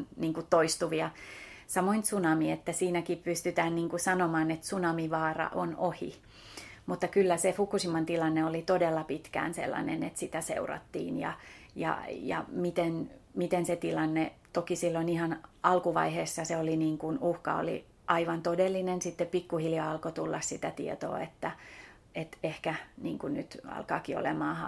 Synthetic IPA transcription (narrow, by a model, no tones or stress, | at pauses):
niːŋkut̪t̪oist̪uʋiɑ | sɑmoint̪sunɑmiet̪ːæsiːnækippyst̪yt̪æːnniːŋkusɑnomɑːnet̪sunɑmiʋɑːrɑ̰ʔonohḭ | mut̪ːɑkylːæsefukːˑusimɑnt̪ilɑnːeolit̪odelːɑpit̪kæ̰ːnsḛlːɑ̰nḛnḛt̪sit̪æsḛurɑ̰t̪ːḭːnjɑ̰jɑ̰jɑ̰mit̪enmit̪enset̪ilɑnːet̪okisilːonihɑnɑlkuʋɑ̰iheːsːɑseoliniːŋkunuhkɑ̰o̰lḭ | ʔɑiʋɑnt̪odelːinensit̪ːeppikːuhiljɑɑlkot̪ulːɑssit̪æt̪ḭet̪o̰ːet̪ːæ | et̪ehkæniːŋkunnyt̪ɑ̰lkɑ̰ːkio̰lemɑːhɑ